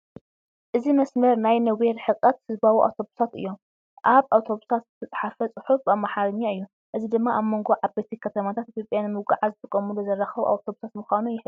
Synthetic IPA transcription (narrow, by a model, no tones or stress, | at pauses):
ʔɨzimɐsmɐɾnajnɐweɾħɨqʼːɐt̪hɨzbawiʔa̰wt̪ʰo̞βusat̪ɨ̰jːo̞m | ʔaβʔawt̪ʰo̞βusat̪z̥ɨt̪ʰɐt͡sʼħafɐt͡sʼɨħufbamːaħaɾɨɲːaɨjːu | ʔɨzid̪ɨmːaʔaβmo̞ŋɡo̞ʕaβbet̪ʰikʰɐt̪ʰɐmat̪ʰat̪ʔit̪jopʼjanmɨwɡaʕazɨt̪ʼɨkʼːɐmuluzɐrːaxɐβʔa̰wt̪ʰoβusat̪mɨxʷanujɪħ